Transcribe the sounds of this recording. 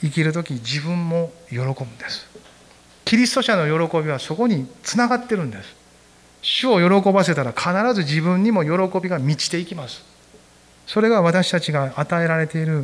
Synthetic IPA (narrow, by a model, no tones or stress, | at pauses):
ikʲiɾɯ̟t̪̬o̞kʲid͡ʑibɯ̟̃mːo̞jo̞ɾo̞ko̞bɯ̟d̪̥e̞sɨ̥ | kʲiɾʲist̪o̞ɕano̞jo̞ɾo̞ko̞bʲiβ̞aso̞ko̞ɲ̟it͡sɨnaɡat̪ːe̞ɾɯ̟̃nd̪e̞sɨ̥ | ɕɨo̞jo̞ɾo̞ko̞base̞t̪aɾakʰanaɾazɨʑibɯ̃ɲ̟ːimo̞jo̞ɾo̞ko̞bʲiɡamʲit͡ɕi̥t̪e̞ikʲimasɨ̥ | so̞ɾe̞ɡaβ̞at̪aɕi̥t̪at͡ɕiɡaːt̪ae̞ɾaɾe̞t̪e̞iɾɯ̟